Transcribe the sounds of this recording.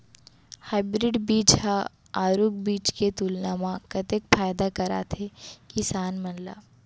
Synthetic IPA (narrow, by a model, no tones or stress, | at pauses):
haːɪbɾɪɖbiːt͡ʃɦã | aːɾuk̚biːt͡ʃket̪ulnaːmãkɐt̪ekfaːjd̪akɐɾa̰ːt̪ʰekɪsaːnmɐnla̰ː